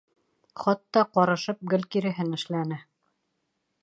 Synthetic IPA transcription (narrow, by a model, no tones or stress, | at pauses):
χɑt̪ːɑqɑɾɤ̆ʃɤp̚ɡɘ̆lʲkiɾɘ̆ɦɘnɘ̆ʃlænɘ